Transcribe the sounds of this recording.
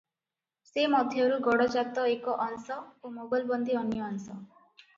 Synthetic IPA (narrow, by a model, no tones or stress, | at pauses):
semɔd̪ʱjɔɾuɡɔɽɔd͡ʒat̪ɔekɔʔɔnsɔomobajlbɔnd̪iɔnjɔːnsɔ